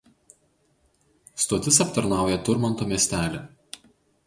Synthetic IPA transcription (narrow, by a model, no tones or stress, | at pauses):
st̪oːt̪ʲɪsɐpt̪ɐɾnɑˑʊjɛt̪ʊɾmɐnt̪oːmʲiɛsʲt̪ʲæːlʲe